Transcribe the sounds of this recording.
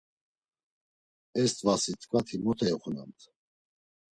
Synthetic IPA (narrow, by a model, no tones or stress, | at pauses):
ɛst̪ʼvasit̪ʰʼkʼvat̪ʰimɔt̪ʰɛɛχuna̰nt̪ʰ